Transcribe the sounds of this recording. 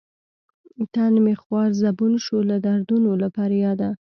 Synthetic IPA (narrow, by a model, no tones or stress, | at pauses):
t̪anmexwɑɾzabunʃolad̪aɾd̪unolapɑɾajɑd̪a